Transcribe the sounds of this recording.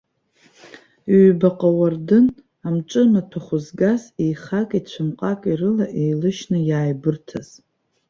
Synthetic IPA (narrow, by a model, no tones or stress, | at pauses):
ɥbaqʼawardɨn | amʈ͡ʂʷʼɨnatʰaχʷʊzɡazejχakʼit͡ɕʷʰɨmqʼakʼirɨlaʔejlɨʃnɨjaːjbɨrtʰa̰z̥